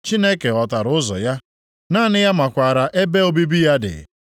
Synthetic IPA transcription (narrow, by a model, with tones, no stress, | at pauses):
t͡ʃi˦ne˦ke˨ɔ˨ta˨ɾʊ˨˦ʊ˦zɔ̰˨ja˦ | naː˦˨nɪ˦ja˦ma˨kʷa˨ɾa˨ʔe˦be˦o˦bi˦bi˦ja˦dɪ̰˨